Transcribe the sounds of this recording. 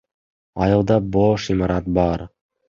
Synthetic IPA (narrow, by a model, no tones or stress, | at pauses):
ɑjɤ̆lˠd̪ɑboʃimɑɾɑt̪̚bɑɾ